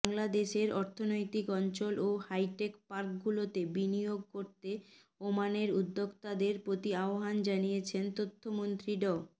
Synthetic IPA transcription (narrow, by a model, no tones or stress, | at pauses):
baŋlad̪eʃeɾɔɾt̪ʰonojt̪ikɔnt͡ɕolohajʈekpaɾk̚ɡulot̪ebinijoɡ̚koɾt̪e | omaneɾud̪ːoɡt̪ad̪eɾpɾot̪iaoɦand͡ʑanijet͡ɕʰent̪ot̪ʰːomont̪ɾiɖɔ